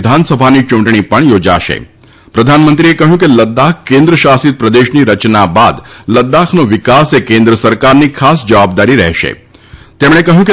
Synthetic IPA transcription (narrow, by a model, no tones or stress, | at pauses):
d̪ʱansəbʱanit͡ʃũɳʈɳ̃ipəɳjod͡ʒaʃḛ | pɾəd̪ʱanmənt̪ɾiekəɦjũkeləd̪ːakʰkẽnd̪ɾəʃasit̪̚pɾəd̪eʃniɾət͡ʃnaba̰d̪ləd̪akʰnoʋɪkasekẽnd̪ɾəsəɾkaɾnikʰasd͡ʒəʋabd̪aɾiɾɛɦʃḛ | t̪emɳ̃ekəɦjũke